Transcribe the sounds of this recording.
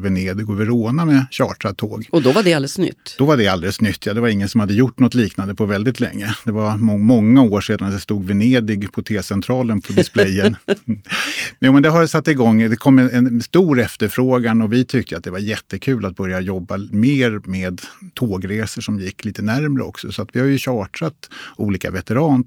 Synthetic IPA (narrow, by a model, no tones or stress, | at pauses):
vɛneːd̪ɪɡɔvɛɾoːnamɛɕɑːʈɾat̪ʰːoːɡɔd̪ɔvaɖɛald̪əsnʏ̰t̪ːd̥̪ɔvaɖɛald̪ɛləsnʏt̪ʰːjɑːd̪ɛvaɾɪŋːənsɔmhad̪ːəjʊʈːnɔt̪liːknand̪əpʰɔvɛld̪ɪt̪lɛ̰ŋːəd̪̥ɛvaɾɔmɔŋːaoːʂeːd̪and̪ɛst̪uːɡ̪vɛneːd̪ɪɡpʰɔt̪ʰeːsɛnt̪ʰɾɑːlənpʰɔd̪ɪsplɛjːənn | juːmɛnd̪ɛɦaɾsat̪ːɪɡɔŋːd̪ɛkʰɔmːɛnɛnst̪uːɾɛft̪əɾfɾoːɡanɔvɪt̪ʰʏk̚t̪əjat̪̚d̪ɛvaɾjɛt̪ːəkʰʉ̟ːlat̪̚bœɾjajɔbːameːɾmeːd̪t̪ʰoːɡɾeːsəʂɔmjɪkːliːt̪ənæɾmɾə̰ɔ̰ksɔsɔat̪vɪhaɾjɵɕɑːʈɾat̪ṵːliːka̰vɛt̪əɾɑːn